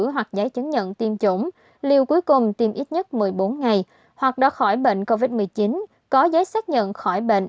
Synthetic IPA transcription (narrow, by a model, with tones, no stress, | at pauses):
ɦwa˨˩k̚zaː˨˦jt͡ɕə˨˦ŋɲə̰˧˨nt̪i˧mt͡ɕʊ˧˩ŋ͡m | li˧əwku˨˦jkʊ˨˩ŋ͡mt̪i˧mʔi˦˥t̚ɲə˦˥t̚mɨ˨˩əjɓo˨˦nŋa˨˩j | hwa˨˩k̚ɗɔ˨˦xɔ˧˩jɓḛ˧˨nko˧vi˦˥t̚mɨ˨˩əjt͡ɕi˨˦n | kɔ˨˦zə˨˦jsaː˦˥k̚ɲə̰˧˨nxɔ˧˩jɓḛ˧˨n